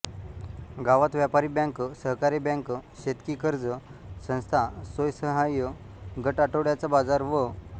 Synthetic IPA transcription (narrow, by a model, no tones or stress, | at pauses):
ɡaʋat̪ʋjapaɾibɛ̃ŋksəɦkaɾibɛ̃ŋkɕet̪kiːkəɾd͡zəsə̃w̃st̪ʰasojsəɦajə | ɡəʈaʈəʋɽjat͡sabad͡zaɾʋə